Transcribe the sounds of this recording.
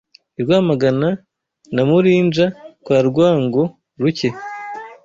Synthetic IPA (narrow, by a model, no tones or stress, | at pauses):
iɾɡwaːmaɡana | namuɾiːnd͡ʒakwaːɾɡwaːŋɡo | ɾuce̞